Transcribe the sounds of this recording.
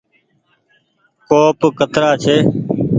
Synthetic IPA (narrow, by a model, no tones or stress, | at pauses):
koːpkət̪ɾaːt͡ʃʰeː